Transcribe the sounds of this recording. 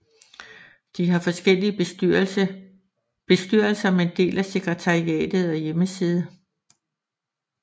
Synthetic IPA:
d̥iɦɑ̈fɒ̽sɡ̥el̰iə | b̥e̝sd̥yɐ̰lsɐmeend̥e̝̰ːlæse̝ɡ̥ʁɛt͡sʰɑ̈ʁiɛ̰ːd̥ð̩ˠɒ̽jeməsið̞ˠ

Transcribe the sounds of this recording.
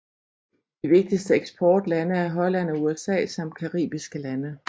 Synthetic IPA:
d̥iʋe̝ɡ̥̚d̥isd̥əeɡ̥sb̥ʰɒːd̥lænəæɐɦɒ̽læn̰ɒ̽uesɛ̰ːsɒ̽mkʰɑ̈ʁḭːb̥isɡ̥əlænə

